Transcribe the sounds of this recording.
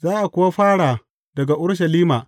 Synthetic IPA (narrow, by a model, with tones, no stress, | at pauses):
zaː˦ʔa˨kʷʊ˦wa˦ɸaː˦ɽaː˨ | dɐ˨ɡa˨ʔʊ˦ɽʃ̬ɐ˨liː˦maː˨